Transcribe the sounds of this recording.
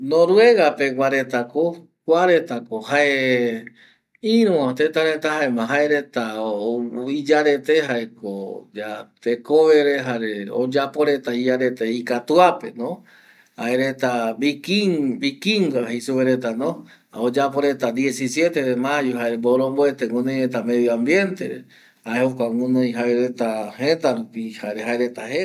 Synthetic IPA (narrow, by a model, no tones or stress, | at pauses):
nõɾue̞ɣape̞waɾet̪ako | kʷaɾe̞t̪akohae | ĩɾ̃ũãt̪et̪aɾet̪ahaemãɦaeɾe̞t̪aoid͡ʒaɾe̞t̪eɦaeko̰d͡ʒat̪ekoβeɾeɦaɾeo̰d͡ʒapoɾe̞t̪aiaɾe̞t̪eikat̪uape̞̰nõ | haeɾet̪aβikibikiŋɡaɦesuβeɾet̪anõ | aod͡ʒapoɾe̞t̪ad̪je̞sisje̞t̪eðemajuɦaeɾemboɾõmboet̪eŋũnẽjɾet̪amẽβiãmbje̞nt̪ḛɾe | haehokʷaŋũnõj̃ɦaeɾet̪ahẽt̪aɾupihaeɾeɦaeɾe̞t̪ahe